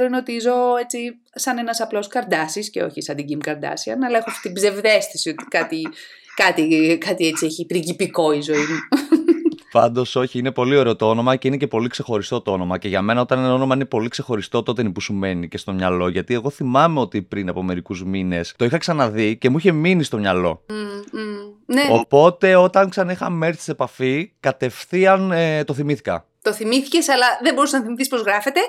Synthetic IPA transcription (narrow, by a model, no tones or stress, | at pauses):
ɾoinot̪izo̞et͡si | sɐne̞nɐsɐplo̞skɐɾd̪ɐsiscḛo̞̰çisɐnd̪iɟimkɐɾd̪ɐ̰siɐnɐlɐexoɐft̪i̥t̪ibze̞vðe̞st̪i̥sio̞t̪i̥kɐt̪i | kɐt̪ikɐt̪iet͡sieçipɾiʝipiko̞izo̞imu | pɐnd̪o̞so̞çiine̞po̞lio̞ɾe̞ot̪oo̞no̞mɐce̞ine̞ce̞po̞likse̞xo̞ɾist̪o̞t̪oo̞no̞mɐce̞ʝɐme̞nɐo̞t̪ɐneno̞no̞mɐine̞po̞likse̞xo̞ɾist̪o̞t̪ot̪enipusume̞nice̞st̪o̞mɲɐlo̞ʝɐt̪ie̞ɣo̞θimɐmeo̞t̪ipɾinɐpo̞me̞ɾikuzmine̞st̪o̞ixɐksɐnɐðice̞muiçe̞minist̪o̞mɲɐlo̞̰ | neopo̞t̪e̞o̞t̪ɐŋksɐnixɐme̞ɾsi̥ise̞pɐfikɐt̪e̞fθiɐnt̪o̞θimiθi̥kɐ̰ | t̪o̞θimiθice̞sɐlɐðembo̞ɾusenɐθimiθispo̞zɣɾɐfet̪e̞